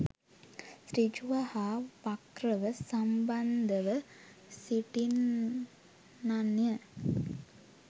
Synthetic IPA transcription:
sɾid͡ʒuʋɐhaːʋɐkɾɐʋəsɐmbɐnd̪ɐʋəsiʈin | nɐnjɐ

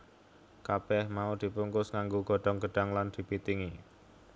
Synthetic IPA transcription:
kabɛhmaud̪̥i̤puŋkʊsŋaŋɡoɡ̥ɔ̤ɖ̥ɔ̤ŋɡə̤ɖ̥a̤ŋland̪̥i̤pit̪iŋi

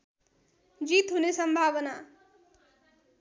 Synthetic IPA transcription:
d͡zit̪ɦunesʌmbʱaβʌna

